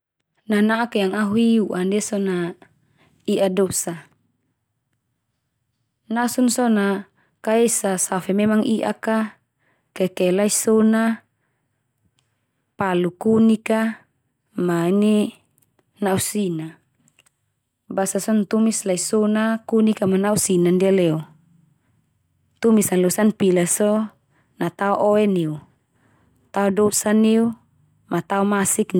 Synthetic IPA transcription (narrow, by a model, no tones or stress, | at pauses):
nanaʔːkjaŋaɦuiuʔandɛsɔna | iʔadɔsa | nasunsɔna | kaesasafɛmɛmaŋiʔa̰ka | kɛkɛlaisɔna | palukunika | maini | nausina | basasɔnt̪umislaisɔnakunikamanausinandialɛɔ | t̪umisanlɔsanpilasɔ | nat̪aɔʔɔɛniu | t̪aɔdɔsaniu | mat̪aɔmasik